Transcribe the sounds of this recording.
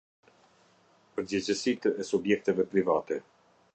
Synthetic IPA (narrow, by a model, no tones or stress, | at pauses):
pəɾd͡ʑɛt͡ɕəsit̪ɛsubjɛk̚t̪ɛvɛpɾivat̪ɛ